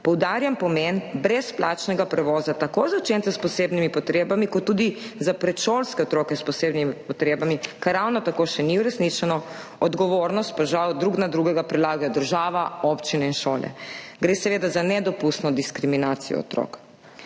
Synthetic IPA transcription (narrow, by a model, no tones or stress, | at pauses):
pɔwd̪aːɾjampɔmenbɾɛspla̰ːt͡ʃnɛɡapɾɛʋɔːzat̪akozawt͡ʃeːnt̪ɛspɔseːbnimipɔt̪ɾeːbamikɔt̪ːud̪izapɾɛt̪ʃolskɛɔt̪ɾoːkɛspɔseːbnimipɔt̪ɾeːbamikaɾawnɔt̪akoʃɛniuɾɛsnit͡ʃɛnɔ | ɔd̪ɡɔʋoɾnɔst̪̚paʒawd̪ɾuɡnad̪ɾuɡɛɡapɾilaːɡajɔd̪əɾʒaːʋaɔpt͡ʃinɛinʃoːlɛ̰ɡɾeːsɛʋeːd̪azanɛd̪ɔpust̪nɔd̪iskɾiminaːt̪sijɔ̰ɔ̰t̪ɾo̰k